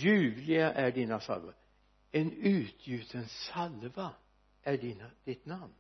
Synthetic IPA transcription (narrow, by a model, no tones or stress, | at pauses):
jʉːvlɪɡaʔæɖiːnasa̰lvaɾ | ɛnʉ̟ːt̪ʰjʉːt̪ʰənsalva | æɖinad̪̥ɪt̪namn